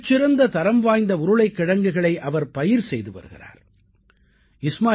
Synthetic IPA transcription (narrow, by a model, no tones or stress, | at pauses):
t͡ʃːɪɾɐnd̪ɐt̪ɐɾɐmʋaːjnd̪ɐʊɾɯɭɐɪkːɪɽɐŋɡɯɣɐɭɐɪʔɐʋɐɾpɐjɪɾsɛjðɯʋɐ̰ɾɯɣɪ̰ra̰ːɾ | ɪsmaː